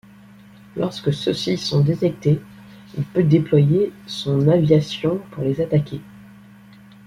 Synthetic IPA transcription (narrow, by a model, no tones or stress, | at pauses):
lɔ̰ʁskəsəsisɔ̃d̪et̪ɛk̚t̪e | ilpød̪eplwajesɔ̃navjasjɔ̃puʁlezat̪akʲʰe